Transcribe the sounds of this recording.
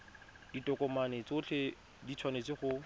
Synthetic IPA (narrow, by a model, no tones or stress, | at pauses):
d̥itʼɔkɔmanet͡sʊt͡ɬʰe | dit͡sʰwanet͡sɪχʊ